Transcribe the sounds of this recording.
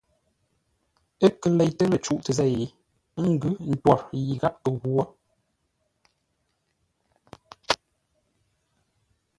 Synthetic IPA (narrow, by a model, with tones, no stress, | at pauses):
ə˦kə˨le˨jtə˦lə˨t͡ʃu˦ʔtə˨zɛ˦˨ji˨˦ | ŋ̩˦˨ɡʉ˦n̩˦twɔ˨ɾji˨ɣa˦p̚ə˨ɣwo˦